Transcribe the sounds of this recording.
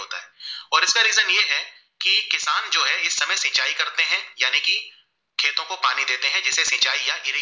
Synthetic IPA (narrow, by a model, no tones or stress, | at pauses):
oːt̪a̰ɦɛːɔːɾɪskaɾiːzənjeɦɛ | kikːɪsaːnd͡ʒoːɦɛɪsːɐməjsĩːt͡ʃaːikɐɾt̪eɦɛ̃jaːniki | kʰeːt̪õkopaːnid̪eːt̪eɦɛ̃d͡ʒɪsesĩːt͡ʃaːijaʔɪɾi